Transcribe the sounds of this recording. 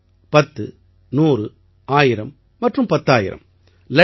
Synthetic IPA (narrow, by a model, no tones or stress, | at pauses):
pɐt̪ːɯ | nuːrɯ | aːjɪɾɐmː | ɐʈrɯmpɐt̪ːaːjɪ̰ɾɐ̰m | lɐ